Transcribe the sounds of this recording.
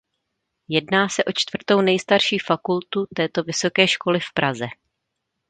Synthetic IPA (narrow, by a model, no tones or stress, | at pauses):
jɛdnaːsɛʔo̞t͡ʃt̪v̥r̩t̪o̞wnɛjst̪aɾʃiːfakult̪ut̪ɛːt̪o̞vɪso̞kɛːʃko̞lɪfpɾʔazɛ